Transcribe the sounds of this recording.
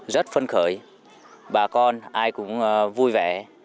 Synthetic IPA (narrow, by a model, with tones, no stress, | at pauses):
zə˦˥t̚fə˧nxəː˧˩j | ɓaː˨˩kɔ˧nʔaː˧jkʊ̰˧˥ŋ͡mvu˧jvɛ̰˧˩